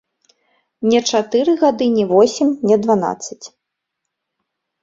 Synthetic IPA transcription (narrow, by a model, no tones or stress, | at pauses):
nʲɛt͡ʂat̪ɨɾɨɣad̪ɨnʲɛvɔsʲimʲnʲɛd̪vana̰t̪sːɐt͡sʲ